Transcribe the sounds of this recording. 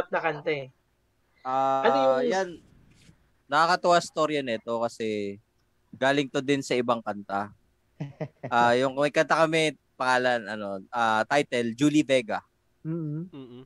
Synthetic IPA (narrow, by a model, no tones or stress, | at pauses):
p̚nɐkɐnt̪ɛ | ʔaːɐljan | ɐkakɐt̪ʊʔast̪o̞ɾjɐnɛt̪o̞kɐsɛ | ɡaːlɪŋt̪od̪ɪnsɐɪbaŋkɐnt̪a | ʔajʊŋmɐɡ̚kɐnt̪akɐmɛ | pɐŋaːlɐnɐno̞ʔat̪ajt̪ɛld͡ʒuːlivɛɡɐ | m̩ː